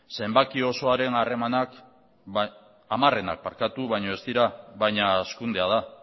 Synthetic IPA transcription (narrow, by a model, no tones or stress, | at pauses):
se̞mbakio̞so̞aɾe̞nare̞manak | amare̞na̰k̚paɾkat̪uβajɲo̞e̞st̪iɾaβajɲaskund̪e̞að̞a